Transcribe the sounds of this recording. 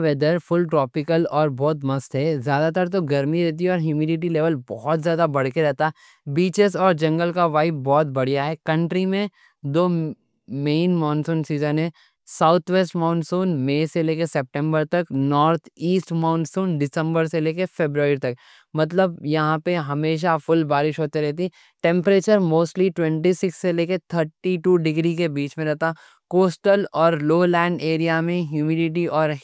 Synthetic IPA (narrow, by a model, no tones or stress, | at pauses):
ʋɛːd̪əɾfʊlʈɾɔːpɪkəlɔːɾbɔːt̪mɐst̪ɦɛzjaːd̪at̪əɾt̪oɡɐɾmiɾɛɦt̪̬iɦɛɔːɾɦjuːmiːɖɪʈ̬ileːʋəlbɔːɔt̪zjaːd̪abɐɽ̤keɾɛɦt̪a | biːt͡ʃezɔːɾd͡ʒɐ̃ŋɡəlkaʋaːɪp̚bɔːt̪̚bɐɽ̤ijaɦɛkɐ̃ɳʈɾimẽ | d̪oː | meːnmãːʊnsũːnsiːzənɦɛ | saʊt̪ʰʋeːsʈmãːʊnsuːnmeːseleːkesɛːp̚ʈɛ̃mbəɾt̪ɐknɔːɾt̪ʰiːsʈmãːʊnsuːnɖɪsə̃mbəɾseleːkefeːbɾaːɾiɾt̪ɐk | mɐt̪̬ləbjɐɦãpeɦɐmeːʃ̬afʊlbaːɾɪʃɦoːt̪eɾɛɦt̪̬i | ʈɛ̃mpəɾeːt͡ʃəɾmoːsʈliʈwɛ̃ɳʈisɪksːeleːket̪ʰəɾʈiʈuːɖɪɡɾikebiːt͡ʃmẽɾɛɦt̪a | koːsʈəlɔːɾloːlɛ̃ːɳɖeːɾijamẽɦjuːmiɖɪʈ̬iʔɔːɾ